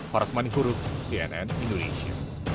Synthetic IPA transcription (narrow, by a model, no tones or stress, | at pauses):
pɔɾsmaniɦuɾʊk̚siɛnɛnĩnd̪oneʃia̰